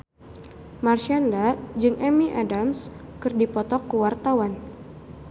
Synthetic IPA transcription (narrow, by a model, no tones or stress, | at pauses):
marʃandad͡ʒɨŋʔɛmiʔadams | kɨrdipɔt̪ɔkːuwart̪awan